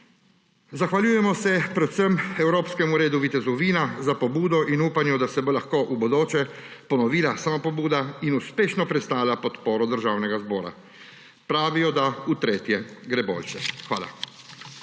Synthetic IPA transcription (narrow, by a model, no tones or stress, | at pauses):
zaxʋalʲuːjɛmɔsɛpɾɛsəmɛwɾoːpskɛmuɾeːd̪uʋit̪ɛzɔʋiːnazapobuːd̪ɔʔinuːpanjɛd̪asɛbolaxkoʔubɔd̪oːt͡ʃɛpɔnɔʋiːlasamapobuːd̪ainuspeːʃnɔpɾɛt̪st̪aːwlʲapɔt̪poːɾɔd̪əɾʒaːwnɛɡazbɔːɾa̰ | pɾaːʋijɔd̪aut̪ɾeːt̪jɛɡɾeːbo̰ːlʲʃɛxʋa̰ːla̰